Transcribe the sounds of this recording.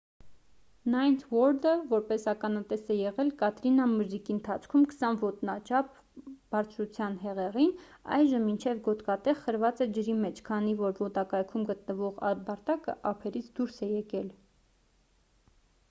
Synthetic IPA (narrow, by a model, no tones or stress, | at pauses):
nɑjnt̪ʰwɔɾd̪əvɔɾpɛsɑkɑnɑt̪ɛsɛjɛʁɛlkɑt̪ɾinɑməɾzikiənt̪ʰɑt͡sʰkʰumkʰə̥sɑnvɔt̪nɑt͡ʃʰɑp̚ | b̥ɑɾt͡sʰɾut͡sʰjɑnɦɛʁɛʁin | ɑ̰jʒəmːint͡ʃʰɛvɡɔt̪kɑt̪ɛʁχəɾvɑt͡sɛd͡ʒəɾimɛt͡ʃʰkʰɑnivɔɾvɔt̪ɑkɑjkʰumɡət̪nəvɔʁɑbɑɾt̪ɑkə̰ʔɑpʰɛɾit͡sʰd̪uɾsɛjɛkɛl